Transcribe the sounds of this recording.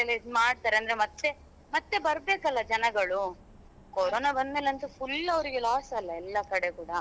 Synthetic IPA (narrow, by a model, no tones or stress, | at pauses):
elemaːɽ̚t̪aːɾeɐnd̪ɐɾemɐt̪ːe | mɐt̪ːe̞bɐɾbeːkɐlːɐd͡ʒɐnɐɡɐɭu | koɾoːnabɐnd̪meːlɐnt̪upulːɐʋɐɾiɡelaːsɐlːɐɛlːɐkɐɽekuːɽɐ